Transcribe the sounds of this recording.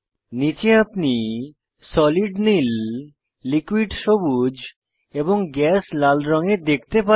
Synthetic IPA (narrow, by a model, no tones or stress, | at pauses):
nit͡ɕeapni | sɔliɖnilː | ikwiɖʃobud͡ʑ | eboŋɡɛslalɾɔŋed̪ek̚ʰt̪epa